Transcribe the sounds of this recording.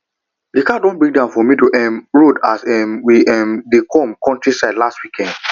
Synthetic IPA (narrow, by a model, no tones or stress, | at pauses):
dikadɔ̃nbɹĩŋɡdãʊ̃fɔmĩtuʔɛmɹodasɛmwiʔɛmdekʰɔ̃mkɔ̃ntɹisaɪdlastwikʰɛ̃nd̥